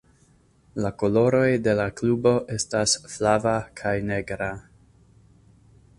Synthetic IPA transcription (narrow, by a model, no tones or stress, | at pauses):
lako̞lo̞ɾo̞jde̞laklubo̞ʔe̞stasflavakʰajne̞ɡɾa